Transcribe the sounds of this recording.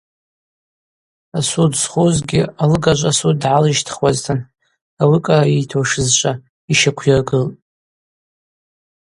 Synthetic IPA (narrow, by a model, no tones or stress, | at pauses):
asudsχozɡʲɪalɨɡaʒʷʼasud̚dʕalɨʃtʰχwaztʰɨn | awikʼaitʰoʂɨzt͡ʃʷʼa | iʃakʷʰjarɡɨltʼ